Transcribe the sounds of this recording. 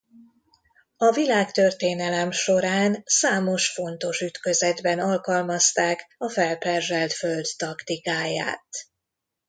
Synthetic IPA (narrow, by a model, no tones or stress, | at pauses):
ɒvilaːkt̪ø̞rt̪eːnɛlɛmʃo̞ɾaːnsaːmo̞ʃfo̞nt̪o̞ʃyt̪kø̞zɛd̪bɛnɒlkɒlmɒst̪aːkɒfɛlpɛrʒɛlt̪fø̞ld̪t̪ɒkt̪ikaːja̰ːt̪